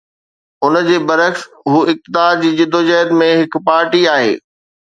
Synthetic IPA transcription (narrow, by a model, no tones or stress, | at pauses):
ʊnd͡ʑeːbɐɾəks | ɦuːɪk̚t̪ɪd̪aːɾd͡ʑiːd͡ʑɪd̪ʱod͡ʑɛːd̪mẽɦɪkpaːɾʈiaːɦḛː